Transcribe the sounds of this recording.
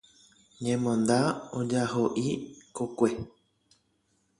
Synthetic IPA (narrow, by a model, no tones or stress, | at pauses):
ɲẽmõnd̪aod͡ʒaɦoʔikokʷe